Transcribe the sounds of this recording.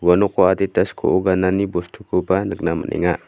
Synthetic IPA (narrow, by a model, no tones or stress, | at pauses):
ɡanukoat̪it̪askʰṵʔuɡananibɔst̪ʰukubanək̚namə̰nʔḛŋaʔ